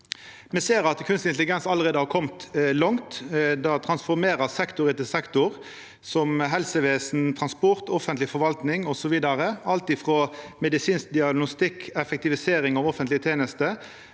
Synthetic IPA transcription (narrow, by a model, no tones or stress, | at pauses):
mɛseːɾɑt̪kʰʉnst̪ɪnt̪lɪɡɛnsɑlːəʁeːd̪əhɑɾkʰɔmt̪lɔŋt̪d̪ɑt̪ʰɾɑnsfɔɾmeːɾəsɛkt̪ʊɾɪt̪ɪsɛkt̪ʊʁ | sɔmɦɛlsəʋeːsn̩t̪ʰɾɑnspɔʁt̪ɔfənt̪lɪfɔɾʋɑlt̪nɪŋɔsɔʋiːd̪ɑʁəɑlt̪ɪfʁɔmɛd̪ɪsiːnsk̚d̪ɪɑɡnʊst̪ɪkʰːɛfɛk̚t̪ɪʋɪseːɾɪŋɑʋɔfənlɪət̪ʰeːnəst̪ə